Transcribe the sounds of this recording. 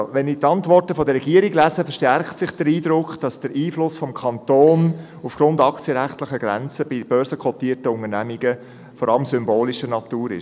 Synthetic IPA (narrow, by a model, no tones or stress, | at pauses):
ʋɛnitɑntvɔrtəfɔdəɾrɛɡiːəɾiɡlæzəfəʃtɛrktsɪχd̥əɾiːdɾʊkχd̥ɑsd̥əɾʔiːflʊsfɔmkʰɑntoːn | ufɡ̥ɾʊndɑkt͡sjəɾæχtlɪχəɡ̥ɾæ̰nt͡səb̥ib̥œɾsəkʰɔtiːərtəʊŋənæmiɡə | fɔɾɑləmsʏmboːliʃənɑt̪uːɾɪ̰ʃ